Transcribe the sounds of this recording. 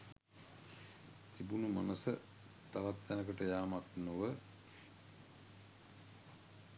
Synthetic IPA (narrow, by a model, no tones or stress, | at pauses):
t̪ibunumanəsə | t̪aʋat̪ːænəkəʈəjaːmat̪noʋə